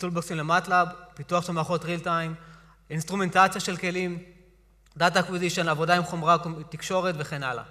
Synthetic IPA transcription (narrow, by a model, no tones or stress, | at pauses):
tulboksimlematlabpituaχʃelmaχo̞tʁiltajm | inst̪ʁume̞nt̪at͡sjaʃe̞lke̞lim | d̪atakwiziʃonavo̞daimχo̞mʁaktikʃo̞ʁet̪ve̞χe̞nala̰